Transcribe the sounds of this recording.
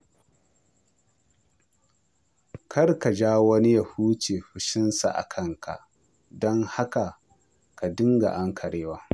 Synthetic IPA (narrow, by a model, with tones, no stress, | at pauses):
kʰɐ˦rka˨d͡ʒaː˦wɐ˦ni˦ja˨huː˦t͡ʃeː˨ɸʊ˨ʃɪ˦nsa̰˨ʔa̰˨kʰɐ˦ŋkʰa̰˨ʔ | dɔ˦ŋha˦ka˨ | ka˨dɪ˦ŋɡa̰˨ʔa˦ŋkʰɐ˨ɽeː˦waː˦